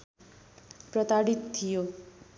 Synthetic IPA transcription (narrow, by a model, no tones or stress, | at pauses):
prʌt̪aɽit̪t̪ʰːijo